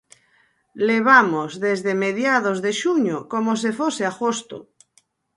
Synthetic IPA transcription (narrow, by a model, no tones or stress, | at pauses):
leβ̞amozðezðemeðjaðozðeʃuɲokomos̬efoseaɣost̪o̰